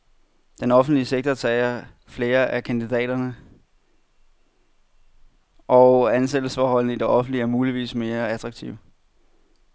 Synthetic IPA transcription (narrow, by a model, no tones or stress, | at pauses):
d̥enɒ̽fn̩d̥liəseɡ̥̚t͡sɐt͡sʰɛːɪɐ | fle̝ːɐʔækʰænd̥id̥ɛ̰ːdɐnə | ʔɒʊænsed̥l̩sfɒːhɒ̽l̰n̩əid̥e̝ʔɒ̽fn̩d̥liæɐmuːliʋḭːsme̝ːɐæd̥ʁɑ̈ɡ̥t͡sʰiʊ̰